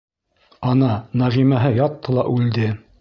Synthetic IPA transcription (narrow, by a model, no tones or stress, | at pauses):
ɑnɑnæʁimæɦɘjɑt̪ːɤlˠɑʔʉld̪ɘ